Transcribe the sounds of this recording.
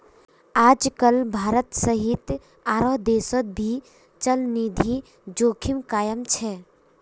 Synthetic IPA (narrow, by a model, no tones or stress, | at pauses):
aːd͡ʒkəlbʱaːɾət̪səɦɪt̪ | aːɾoɦd̪eːsət̪̚bʱi | t͡ʃəlniːd̪ʱi | d͡ʒoːkʰɪmkaːjəmt͡ʃʰɛː